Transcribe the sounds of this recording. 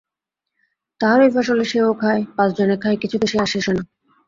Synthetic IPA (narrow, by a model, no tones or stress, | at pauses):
t̪aɦaɾejfaʃoleʃeokʰaepat͡sd͡ʑonekʰaekit͡ɕʰud̪eʃeaʃeʃona